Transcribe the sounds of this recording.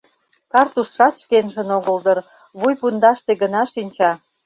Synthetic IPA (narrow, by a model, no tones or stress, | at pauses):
kɑrt̪uʃːɑt̪ʃkenʒə̆noɣə̆ld̪ə̆r | βujpund̪ɑʃt̪eɣənɑʃinʲt͡ɕɑ